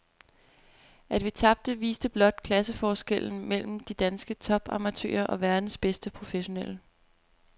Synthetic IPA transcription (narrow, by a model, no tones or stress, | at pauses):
ʔæd̥ʋit͡sʰɑ̈b̥̚d̥əʋḭːsd̥əb̥lɒ̽d̥̚kʰlæsəfɒːsɡ̥el̰n̩mel̰m̩d̥id̥ænsɡ̥ət͡sʰɒ̽b̥ɑ̰̈ːmæt͡sʰø̰ːɐʔɒ̽ʋæɐd̥n̩sb̥esd̥əpʰʁo̝feɕo̝nel̰ə